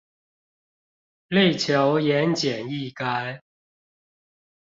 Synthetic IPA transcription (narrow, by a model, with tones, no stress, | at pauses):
le˥˩ɪt͡ɕʰjɑ˨˧˥ʊjɛ˧˦nt͡ɕjɛ˨˩ni˥˩ka˥ɪ